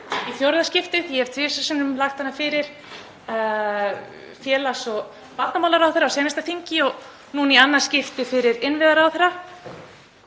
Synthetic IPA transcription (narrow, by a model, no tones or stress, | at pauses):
iθjowɾðascɪft̪ɪθjɛhɛvt̪ʰveːsɛsɪnʏmlaxt̪hanːafɪɾɪɾ̥ | fjɛːlasɔ | pat̪namawlaɾawθɛɾːawsjɛːnast̪afiɲcɪɔɣ | nunianːaɾ̥scɪft̪ɪfɪɾɪɾɪnvɪðaɾaːwθɛɾa